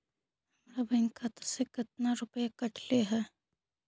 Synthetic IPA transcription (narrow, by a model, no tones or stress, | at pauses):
mɾabɐŋkat̪sekɪt̪̚naɾʊpjekɐʈʰleɦɛː